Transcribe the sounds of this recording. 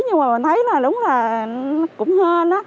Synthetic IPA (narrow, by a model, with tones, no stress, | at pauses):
ɲɨ˧maː˨˩mə˨˩nt̪ʰə˨˦jlaː˨˩ɗʊ˨˦ŋ͡mlaː˨˩˨kʊ̰˧˥ŋ͡mhəː˧nː˨˦